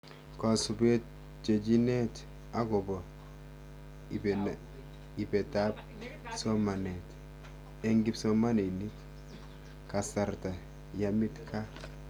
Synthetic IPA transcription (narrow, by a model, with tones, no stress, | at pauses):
ka˨su˨be˦t̚ | d͡ʒe˨d͡ʒi˦ne˦t | a˦ɡo˨bɔ˨ | i˨be˨ta˦b̚ | so˦ma˨ne˨t | e˦ŋɡi˦bso˦ma˦ne˨ni˦t | ka˨sa˨ɾta˨ | ja˦mi˦tkʰa˦